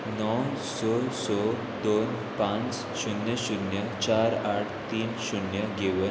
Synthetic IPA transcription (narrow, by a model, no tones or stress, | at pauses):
nɔwsɔsɔ | d̪on | pãnt͡s | ɕunjəɕunjə | t͡ɕaɾaʈʰt̪iːnɕunjəɡeʋə